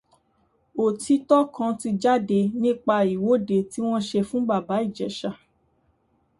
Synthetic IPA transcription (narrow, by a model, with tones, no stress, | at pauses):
o˨ti˧˦tɔ˦kã˧ti˧d͡ʒa˦de˧nĩ˦˨k͡pa˧i˨wo˨˦de˨˧ti˦w̃ɔ̃˦ʃe˧fũ˦ɡ͡ba˦˨ba˨˦i˦˨d͡ʒɛ˨ʃa˧˨